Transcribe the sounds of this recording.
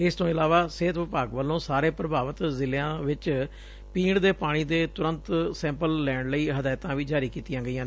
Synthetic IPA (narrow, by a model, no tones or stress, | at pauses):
ɪst̪õːɪlaːʋaːseːt̪ʋɪpaːɡʋəlːõːsaːɾeːpɾəbaːʋət̪zɪljãːʋɪt͡ʃ | piːɽd̪eːpaːɽ̃iːd̪eːt̪ʊɾənt̪sɛ̃ːmpəlːɛːɳləiːɦəd̪aːɪt̪ãːʋiːd͡ʒaːɾiːkiːt̪ijãːɡəjãː